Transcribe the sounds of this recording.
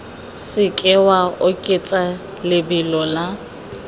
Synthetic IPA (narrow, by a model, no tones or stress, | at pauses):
sɪkʼɛwaʊkʼɪt͡sʼa | lɪbɪlɔla